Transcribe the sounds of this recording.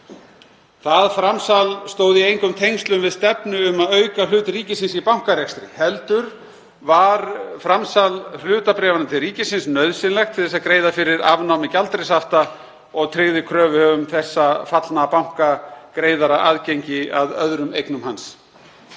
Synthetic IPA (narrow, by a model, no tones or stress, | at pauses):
θaðfɾamsalst̪oːwðɪejŋkʏmt̪ʰejŋst̪lʏmvɪðst̪ɛpnʏːmaðœːɥkalʏːt̪riːcɪsɪnsipawŋ̥karɛkst̪ɾɪhɛlt̪ʏɾ | vaɾfɾamsalh̪ʏːt̪apɾɛːvanat̪ʰɪlriːcɪsɪnsnœɥðsɪnlɛxt̪ʰɪ̥θɛsakɾeːjðafɪɾɪɾa̰vnawmɪcalt̪ɾɪsaft̪a | ɔɣt̪ʰɾɪɣðɪkʰɾœːvʏhœvʏmθɛsːafat̪lnaːpawŋ̥kakɾeːjðaɾaʔaːðcejɲcɪaðœ̰ðɾʏmejknʏmɦans